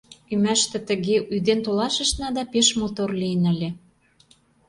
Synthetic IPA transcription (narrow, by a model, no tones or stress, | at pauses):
ymæʃt̪ĕt̪ə̆ɣeʔyd̪ent̪olɑʃə̆ʃnɑd̪ɑpeʃmot̪orliənə̆lʲe